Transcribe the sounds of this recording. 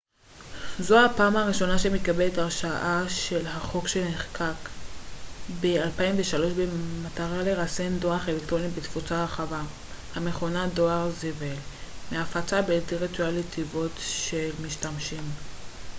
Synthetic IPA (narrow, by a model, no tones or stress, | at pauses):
zohapaːmaʁiʃo̞naʃemikabeletaʁʃaʔaʃe̞lhaχo̞kʃeneχkʰak | bealpaiɱveʃalo̞ʃbemataʁale̞ʁasendo̞aχelekt̪ʁonibet̪fut͡saaχava | hame̞χo̞nado̞aʁzevelmeafat͡sabet̪iʁitualetʰivo̞tʃelmiʃtamʃim